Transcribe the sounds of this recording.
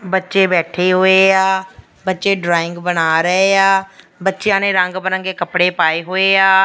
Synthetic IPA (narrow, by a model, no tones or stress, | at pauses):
bətːʃeːbɛːʈʰeːɦoːeːaː | bətːʃeːɖɾaːɪ̃ŋɡbənaːɾəeːaː | bətːʃjãːnẽːɾəŋɡbənə̃ŋɡeːkəpɽeːpaːeːɦoːeːaː